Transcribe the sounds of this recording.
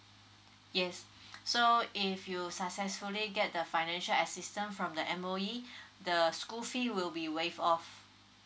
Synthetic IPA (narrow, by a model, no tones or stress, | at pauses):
jɛsː | oifjusək̚sɛsfuliɡɛt̚dəfaɪnɛ̃nʃələsistə̃nfɹɔ̃mdəʔɛ̃moidəskufiwilbiwefɔf